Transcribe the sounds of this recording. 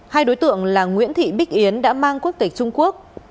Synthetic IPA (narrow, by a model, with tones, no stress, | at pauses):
haː˧jɗo˨˦jt̪ɨ̰˧˨əŋlaː˨˩ŋwḭ˧˥ənt̪ʰḭ˧˨ɓi˦˥k̟̚ʔi˨˦ənɗa̰ː˧˥maː˧ŋku˦˥ək̚t̪ï˨˩k̚t͡ɕʊ˧ŋ͡mku˦˥ək̚